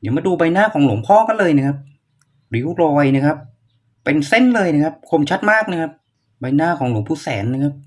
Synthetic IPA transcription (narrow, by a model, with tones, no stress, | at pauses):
jaː˨˩maː˧˩duː˧ba˧jnaː˥˩kʰɔː˩˦ŋlu˨˩˦mpʰɔː˥˩ka˧˨nlɤː˧jna˦˥kʰa˦˥p̚ | ɾiː˨˦u˥˩lɔː˧jna˦˥˩kʰa˦˥pː | e˧nse˥˩nlɤː˧jna˦˥kʰa˦˥p̚kʰo˧mt͡ɕʰa˦˥t̪̚maː˥˩k̚na˦˥kʰa˦˥p̚ | ba˧jnaː˥˩kʰɔː˩˦ŋlu˩˦mpʰuː˧˩sɛː˩˦nːa˧˥˩kʰa˦˥p̚